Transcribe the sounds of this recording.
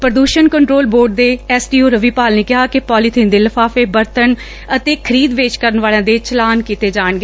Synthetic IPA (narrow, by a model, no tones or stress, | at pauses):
pɾəd̪uːʃənkəɳʈɾoːlboːɖ̚d̪eːɛːsʈiːoːɾəʋiːpaːlneːkɪɦaːkɪpɔːliːt̪ʰiːnd̪eːləfʰaːfeːbəɾt̪ən | ət̪eːkʰəɾiːd̪ʋeːt͡ʃkəɾənʋaːlãːd̪eːt͡ʃəlaːnkiːt̪eːd͡ʒaːɳɡe